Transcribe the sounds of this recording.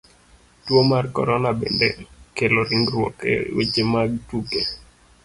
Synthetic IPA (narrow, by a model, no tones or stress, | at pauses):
twomarkɔ̰ɾɔnabḛndḛkelɔɾiŋɡɾwɔ̰kɛ̰wḛt͡ʃemaɡ̚tuke